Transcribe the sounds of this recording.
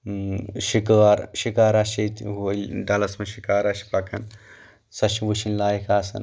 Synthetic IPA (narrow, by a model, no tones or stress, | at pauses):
ʃikaːɾʃikaːɾaʃet̪ɦolɖɐlɐsmeʃikaːɾɐʃi̥pɐkʰɐn | sɐʃiʋut͡ʃinlaːjikaːsɐ̰n